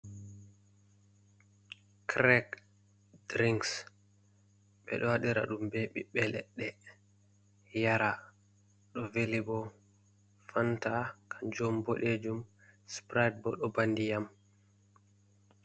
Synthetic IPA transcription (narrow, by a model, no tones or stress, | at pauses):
kɾɛk | dɾiŋks | ɓɛ̰ɗɔwaɗiɾa̰ɗumbeɓḭɓɛlɛ̰ɗːɛ | jaɾa | ɗɔvelibɔ | fantakʰad͡ʒɔmboɗed͡ʒum | spɾajd̚bɔɗɔbandijam